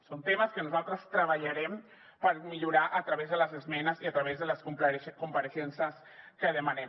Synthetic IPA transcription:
sont̪eməskənuzalˠt̪ɾəst̪ɾəβ̞aʎaɾɛm | pəɾmiʎuɾaʔət̪ɾɐβezðələzezmɛnəziat̪ɾaβezðələskupkumpəɾeʃɛnsəs | kəðəmanem

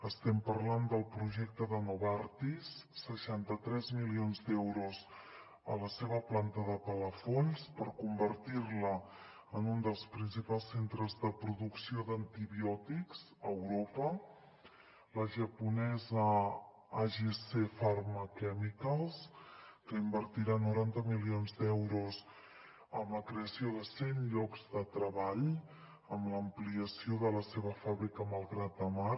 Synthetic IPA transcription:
əst̪ɛmpəɾland̪əlˠpɾuʒɛk̚t̪əðənoβaɾt̪isːəʃant̪ət̪ɾɛzmilionzd̪ɛwɾuz | ə̰ləseβəplant̪əðəpələfolspəɾkumbərt̪iɾlə | ənund̪əlˠspɾinsipalˠsent̪ɾəzðəpɾuðuksioðənt̪iβiɔt̪ikz | əwɾopə | ləʒəpunɛzə | aʒesefərməkɛmikaskəimbəɾt̪iɾanːuɾant̪əmilionzd̪ɛwɾuz | əmləkɾeəsioðəsenʎɔkzðət̪ɾəβaʎ | əmləmpliəsioðələseβəfaβɾikəməlˠɣɾat̪̚d̪əma

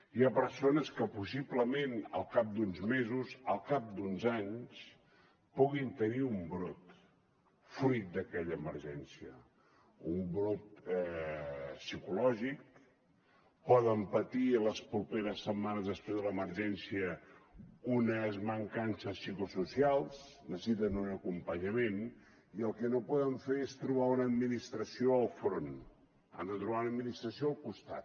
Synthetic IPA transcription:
iapəɾsonəskəpusipləmenə̰lˠkap̚d̪unzmezuzəlˠkap̚d̪unzaɲs | puɣint̪əniumbɾot̪ | fɾit̪̚d̪əkɛʎəːməɾʒɛnsiə | umbɾot̪̚ɛ | sikulɔʒik̚ | pɔðəmpət̪iələspɾupeɾəsːəmmːanəzðəspɾezðələməɾʒɛnsiə | unəzməŋkansəsːikususialˠsnəssit̪̬ənunəkumpəɲəmen | iəlˠkənopɔðəɱfeɾest̪ɾuβ̞aunəːd̪minist̪ɾəsioəlˠfɾon | a̰nd̪ət̪ɾuβaunəd̪minist̪ɾəsioəlˠkust̪a̰t̪

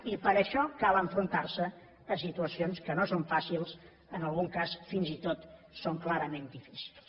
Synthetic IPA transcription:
ipəɾəʃɔkalˠəɱfɾunt̪arsə | əsit̪uəsionskənosoɱfasilˠs | ənəlˠɣuŋkasfinzit̪ot̪soŋklaɾəmend̪ifisi̥lˠs

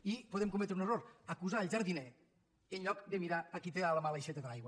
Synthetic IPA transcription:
ipoðemkumɛt̪ɾuneroɾakuzaelʲˠd͡ʒaɾðinɛ | enʎɔkd̪emiɾaːkit̪ealəmalejʃet̪əðelajɣwa

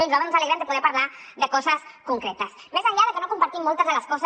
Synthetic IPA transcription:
elɾaβenosaleɣɾenpoðeɾpaɾlaɾðekosaskoŋkɾet̪as | mesaʎaðekenokompaɾt̪imːolt̪azðelaskos

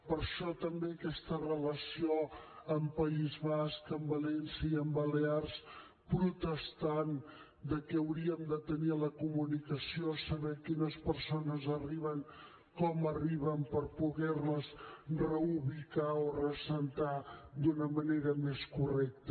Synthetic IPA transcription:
pəɾʃɔt̪əmbeəkɛst̪ərələsioəmpəizβaskəmbəlɛnsəiəmbəlears | pɾut̪əst̪an | d̪əkɛəwɾiəmd̪ət̪əniələkumunikəsiosəβɛkinəspəɾsonəzəriβəŋ | kɔməriβəmpəɾpuɣɛrləzrəuβikaorəsənt̪ad̪unəməneɾəmeskurɛk̚t̪ə

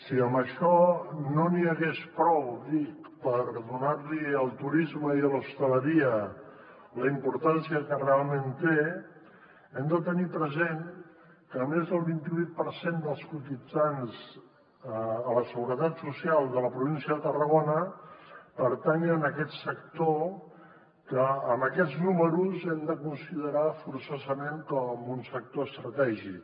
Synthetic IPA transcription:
siəmbəʃɔnoniəɣespɾɔwd̪it̪pəɾðunaɾliəlˠt̪uɾizməiələst̪ələɾiə | ləimpuɾt̪ansiəkərealˠment̪e | ɛmd̪ət̪ənipɾəzen | kəmezðəlˠβint̪iβujt̪̚pəɾsend̪əlˠskut̪id͡zanz | ələsəɣuɾət̪at̪susialˠðələpɾuβinsiəðət̪ərəɣonə | pəɾt̪ɛŋənəkɛt̪sək̚t̪o | kəːməkɛdd͡znuməɾuzɛmd̪əkunsiðəɾafuɾsazəmeŋkɔmunsək̚t̪oəst̪ɾət̪ɛʒik

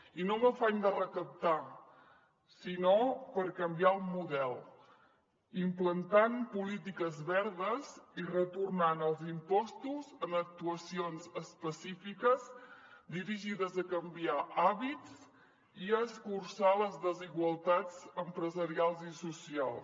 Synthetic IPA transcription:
inoməfaɲd̪ərəkəp̚t̪a | sinopəɾkəmbiaəlˠmuðɛlˠ | implənt̪ampulit̪̬ikəzβɛɾðəzirət̪urnanəlˠzimpɔst̪uzənək̚t̪uəsionzəspəsifikəzd̪iɾiʒiðəzəkəmbiaʔaβit͡s | iəskursaləzðəziɣwəlˠt̪ad͡zəmpɾəzəɾialˠzisusialˠs

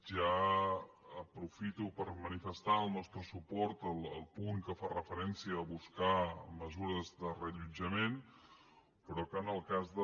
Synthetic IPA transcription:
ʒa | əpɾufit̪upəɾmənifəst̪aəlˠnɔst̪ɾəsupɔɾt̪əlˠəlˠpuŋkəfarəfəɾɛnsiəːβuskaməzuɾəzðərəʎud͡ʒəmen | pɾɔkənəlˠkazðə

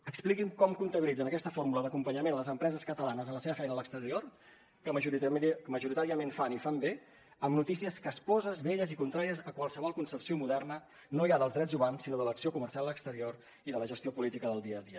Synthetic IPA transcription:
əksplikimkɔmkunt̪əβilid͡zənəkɛst̪əfoɾmuləðəkumpəɲəmenləzəmpɾɛzəskət̪əlanəzənləseβəfɛjnəːləkst̪əɾior | kə | məʒuɾit̪aɾiəmenfanifambe | əmnut̪isiəskəspɔzəzβeʎəzikunt̪ɾaɾiəzəkwalˠsəβɔlˠkunsəpsiomuðɛrnə | nojaðəlˠzdɾɛd͡zumansːinoðələksiokumərsialˠləkst̪əɾior | iðələʒəst̪iopulit̪ikəðəlˠd̪iəðiə

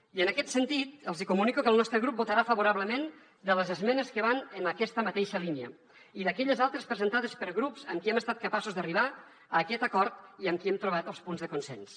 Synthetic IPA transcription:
iənəkɛt̪sənt̪it̪̚əlˠzikumunikukəlˠnɔst̪ɾəɣɾup̚but̪əɾafəβuɾaβləmen | d̪ələzəzmɛnəskəβanənəkɛst̪əmat̪eʃəliniə̰ | iðəkɛʎəzalˠt̪ɾəspɾəzənt̪aðəspəɾɣɾupsəmkiɛməst̪at̪̚kəpasuzðəriβa | əːkɛt̪əkɔɾt̪iəmkiɛmt̪ɾuβ̞at̪əlˠspunzðəkunsɛns

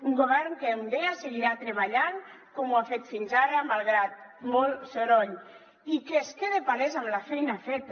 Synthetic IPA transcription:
uŋɡoβ̞ɛɾnkeund̪easeɣiɾat̪ɾeβaʎaŋkomuafet̪finzaɾamalˠɣɾat̪̚mɔlsoɾɔʎ | ikeskeðepaɾezamlafejnafet̪

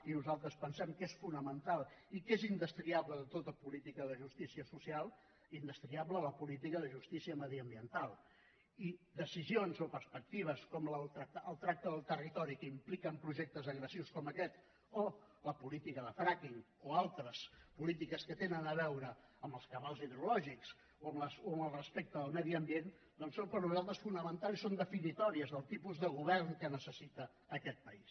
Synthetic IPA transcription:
inuzalˠt̪ɾəspənsɛmkesfunəmənt̪alˠikezind̪əst̪ɾiaβləðət̪ot̪əpulit̪ikəðəʒust̪isiəsusialˠ | ind̪əst̪ɾiaβlələpulit̪̬ikəðəʒust̪isiəməðiəmbiənt̪alˠ | id̪əsizionzopəɾspək̚t̪iβ̞əskɔmləlˠt̪ɾak̚t̪əʔəlˠt̪ɾak̚t̪əðəlˠt̪ərit̪ɔɾikəimplikəmpɾuʒɛk̚t̪əzəɣɾəsiwskɔməkɛt̪ | o | ləpulit̪ikəðəfɾakiŋ | oalˠt̪ɾəspulit̪ikəskət̪enənəβɛwɾə | əmbəlˠskəβalˠziðəɾulɔʒiks | oəmləsoəməlˠrəspek̚t̪əðəlˠmɛðiəmbien | d̪ɔnsompəɾnuzalˠt̪ɾəsfunəmənt̪alˠisond̪əfinit̪ɔɾiəzðəlˠt̪ipuzðəɣ̞uβɛrnkənəsəsit̪əː | kɛt̪̚pəis

